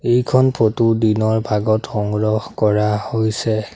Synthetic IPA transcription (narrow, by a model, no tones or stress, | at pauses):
ejkʰɔnpʰotudinɔɹbʱaɡɔtxɔŋɡɹɔhkɔɹahojsɛ